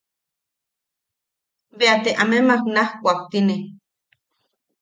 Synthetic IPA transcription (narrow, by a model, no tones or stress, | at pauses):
βeat̪eʔamemaknahkʷak̚t̪ine